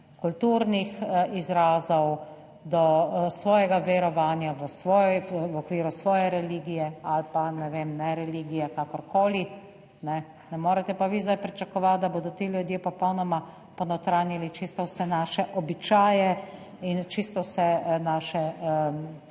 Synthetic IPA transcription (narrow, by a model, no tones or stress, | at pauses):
kult̪uɾnixizɾaːzɔw | d̪ɔsʋɔːjɛɡaʋɛɾɔʋaːnjaʋəsʋɔːjjʋɔkʋiːɾusʋɔːjɛɾɛliːɡijɛalpanɛʋeːmnɛɾɛliɡijɛkakɔɾkoːli | nɛ | nɛmoːɾɛt̪ɛpaʋizd̪ajpɾit͡ʃakɔʋat̪̚d̪aboːd̪ɔt̪eːlʲjud̪jepɔpɔwnɔma | pɔnɔwt̪ɾaːnilit͡ʃist̪ɔwsɛnaʃɛʔɔbit͡ʃaːjɛ | int͡ʃist̪ɔwsɛnaːʃɛ